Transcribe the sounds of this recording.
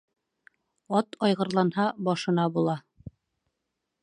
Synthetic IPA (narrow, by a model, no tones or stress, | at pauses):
ɒt̪ʰɒjʁɤ̆ɾlˠɑnhɑbɒʃɤ̆nɑbulˠɑ